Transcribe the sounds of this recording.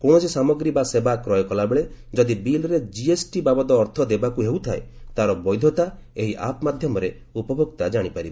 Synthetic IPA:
koɽ̃ɔsisamɔɡɾibasebakɾɔjɔkɔlabeɭed͡ʒɔd̪ibilɾed͡ʒiesʈibabɔd̪ɔːɾt̪ʰɔd̪ebakuɦeut̪ʰaet̪aɾɔbɔjd̪ʱɔt̪a | eɦiʔa̰pɔmad̪ʱjɔmɔɾe | upɔbʱoɡt̪ad͡ʒaɽ̃ipaɾibe

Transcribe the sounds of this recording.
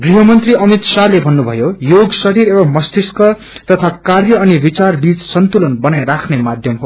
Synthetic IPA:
ɡriɦʌmʌnt̪riʌmit̪salebʱʌnːubʱʌ̰jojoɡsʌɾiɾebʌmʌst̪iskʌ | t̪ʌt̪ʰakarjʌːnibit͡sarbit͡ssʌnt̪ulʌnbʌnajɾakʰnemad̪ʱjʌmɦo

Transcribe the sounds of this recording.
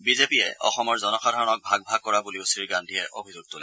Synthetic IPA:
bizepiɛ̰ɔ̰xɔmɔɹzɔnɔkʰadʱaɹɔnɔk̚bʱaɡ̚bʱaɡ̚kːɔɹabuliʊsɹiɹɡandʱiɛʔobʱizʊɡ̚tʊlɛ

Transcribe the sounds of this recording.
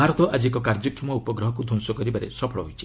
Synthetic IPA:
aɾɔt̪ɔʔad͡ʒiekɔkaɾd͡ʒɔkʰːjɔmɔupɔɡɾɔɦɔkud̪ʱuŋsɔkɔɾibaɾḛsɔpʰɔɭɔɦojt͡ʃʰi̥

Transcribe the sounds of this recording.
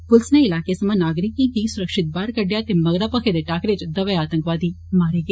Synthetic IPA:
pʊlsneɪlaːkesɐmãːnaːɡɾɪkːiɡiːsʊɾəkʃɪt̪̚baːɾkəɖjaːt̪emɐɡɾaːpəkʰed̪eʈaːkɾet͡ʃd̪ɐʋeaːt̪ə̃ŋkʋaːd̪iː | maːɾeːɡeː

